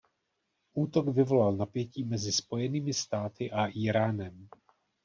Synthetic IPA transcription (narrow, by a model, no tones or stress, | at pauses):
ʔuːt̪oɡvɪvo̞lalnapjɛciːmɛzɪspo̞jɛniːmɪst̪aːt̪ɪʔaʔiːɾaːnɛm